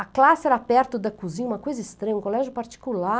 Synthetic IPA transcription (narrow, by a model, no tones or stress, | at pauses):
ɐklasɪɛɾapɛɾt̪ʊd̪ɐkuzĩɲũmɐkojzɐist̪ɾẽɲɐũkolɛʒʊpaɾt͡ʃi̥kula